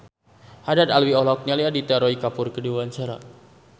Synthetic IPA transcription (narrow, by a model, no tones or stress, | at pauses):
hadat̪alwiɔlɔk̚ɲaliadit̪aɾɔikapʊrkəduaɲt͡ʃaɾa̰